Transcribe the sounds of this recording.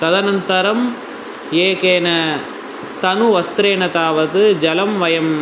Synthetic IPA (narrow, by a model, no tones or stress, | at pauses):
t̪ɐðɐnɐnt̪ɐɾɐm | eːkeːnɐ | t̪ɐnuʋɐst̪ɾeːnɐt̪aːʋɐðɯd͡ʒɐlɐmʋɐjɐm